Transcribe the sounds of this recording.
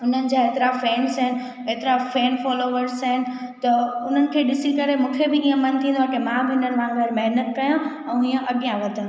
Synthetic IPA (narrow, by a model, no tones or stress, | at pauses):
ʊn̤ənɪ̆d͡ʑaeːt̪ɾafɛːnsəɦɪnɪ̆ | eːt̪ɪɾafɛːnfɔːloʋəɾsɐɦɪnɪ̆ | t̪ɐʊn̤ənɪ̆kʰeːɗɪsikɐɾemũːkʰebɪiːə̃mɐnt̪ʰĩːnd̪oaːkemãbɪɪnənʋãːnʋeɾmɐɦnət̪̚kɐjã | ɛ̃ːiːə̃ʔɐɠijãʋɐt̪ə̃n